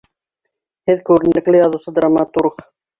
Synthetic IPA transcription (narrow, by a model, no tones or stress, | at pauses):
hɘðkʉɾɘ̆nlɘ̆klɘjɑðusɤd̪ɾamɑt̪uɾq